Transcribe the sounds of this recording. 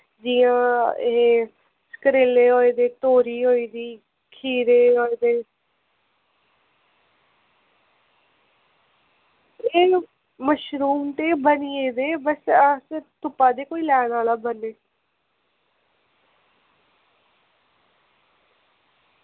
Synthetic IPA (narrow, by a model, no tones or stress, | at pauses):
d͡ʒiːãːeː | sə̥kɾeleːɦoːeːd̪eːt̪oːɾiːɦoːiːd̪iː | kʰiːɾeːɦoːeːd̪eː | eː | məʃɾuːmt̪eːbənieːd̪eːbəsəst̪ʊpːaːd̪eːkoːiːlɛːnaːlaːbəneː